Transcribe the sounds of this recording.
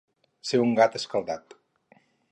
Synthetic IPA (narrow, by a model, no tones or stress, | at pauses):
seuŋɡat̪əskəlˠd̪at̪